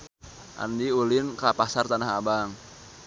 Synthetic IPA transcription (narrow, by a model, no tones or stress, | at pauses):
ʔa̰ndiulɪnkapasart̪anaɦabaŋ